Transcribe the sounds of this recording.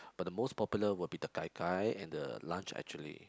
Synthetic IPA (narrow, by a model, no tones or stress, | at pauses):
b̥at̚dəmospɔpjuləwʊd̚bidəkajkʰajɛ̰̃ndə̰lãnt͡ʃɛ̰k̚t͡ʃuəlḭ